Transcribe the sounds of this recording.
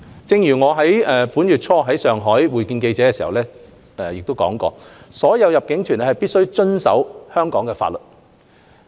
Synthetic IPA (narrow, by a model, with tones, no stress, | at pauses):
t͡sɪ˧ŋjyː˨˩ŋɔː˨˧ɦɐ˨˥jɛː˨puː˨˥njy˨t̚t͡sʰɔː˧ɦɐ˨˥jsœː˨ŋɦɔː˨˥jwuː˨˩jkiː˧nke˧jt͡sɛː˨˥kɛː˧siː˨˩hɐ˨wlɛː˥ | ɛː˨jɪ˨k̚t̪o˥wkɔ̰ː˨˥ŋkɔ̰ː˧sɔː˨˥jɐ˨˧wjɐ˨p̚kɪ˨˥ŋt̪ʰy˨˩nɛ˥hɐ˨˩jpiː˥t̚sɵ˥ɥt͡ʃɵ˥nsɐ̰˨˥whœː˥ŋkɔː˨˥ŋkɛː˧fa̰˧t̚lɵ˨˩t̚